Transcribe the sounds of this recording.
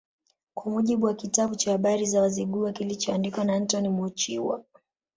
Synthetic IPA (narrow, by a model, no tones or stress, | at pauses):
kwamuʄiɓuwakitaɓut͡ʃahaɓaɾizawaziɠuakilit͡ʃɔandikwanan̩tɔnimuut͡ʃiwa̰